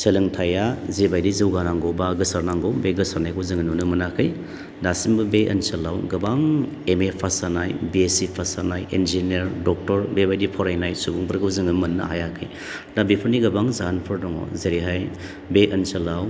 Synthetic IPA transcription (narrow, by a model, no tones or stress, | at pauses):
selɯŋtʰajazebajdizɯwɡanaŋɡowbaɡɯsaɾnaŋɡobeɡɯsaɾnajkʰɯwzɯŋɯnunɯmɐnakʰɯj | dasimbɯbeʔɐ̰nsɐlːawɡɐbaŋemepʰasanajbiesipʰasanajʔend͡ʒinieɾdɔk̚tɔɾbebajdipʰɔɾajnajsubuŋbʰɐɾkɯwzɯŋɯmɐnːa̰a̰jakʰɯj | dabipʰɯɾniɡɐbaŋzanpʰɯɾdɔŋɔ̰zeɾiɦaj | beʔɐnsɐlaw